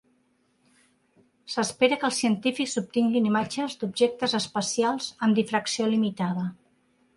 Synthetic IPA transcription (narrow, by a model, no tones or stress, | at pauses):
səspeɾəkəlˠsiənt̪ifikzup̚t̪iŋɡinimad͡ʒəzd̪ub̚ʒek̚t̪əzəspəsialˠzəmd̪ifɾəksiolimit̪aðə